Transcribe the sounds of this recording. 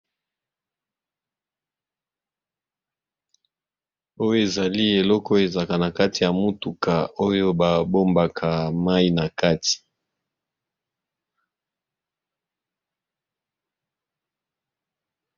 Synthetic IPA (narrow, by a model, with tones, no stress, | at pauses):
o˦jo˦e˨za˨li˦e˨lɔ˦kɔ˦e˨za˨ka˨na˨ka˦ti˨ja˨mu˦tu˨ka˨o˦jo˦ba˨bo˦mba˨kʰa˨ma˦i˦na˨ka˦ti̥˨